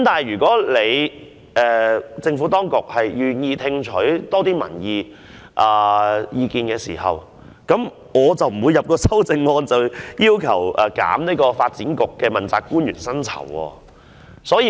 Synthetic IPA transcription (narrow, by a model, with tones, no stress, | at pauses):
mt̪aː˨nhɐ˨jɥyː˨˩kɔː˨˥le˨˧j | ɛː˨t͡sɪ˧ŋfuː˨˥t̪ɔː˥ŋkʊ˨k̚hɐ˨jjyː˨njiː˧t̪ʰɪ˧ŋt͡ʃʰɵ˨˥ɥt̪ɔː˥t̪iː˥mɐ̰˨˩njiː˨˧ | ʔɐː˨jiː˨˧kiː˨˧nkɛː˧siː˨˩hɐ̰˨˩w | kɐ˨˥m | ŋɔː˨˧t͡sɐ˨wm̩˨˩wuː˨˧jɐ˨p̚kɔː˧sɐ˥wt͡sɪ˧ŋːɔː˧nt͡sɐ˨wjiː˥wkʰɐ˨˩wʔɛː˨ka̰ː˨˥mniː˥kɔː˧faː˧t̚t͡siː˨˥nkʊ˨kːɛː˧mɐ˨˩nt͡sa̰ː˨˧kːuː˥njɥy̰ː˨˩nsɐ˥nt͡sʰɐ̰˨˩wɔ̰ː˧ | sɔː˨˥jiː˧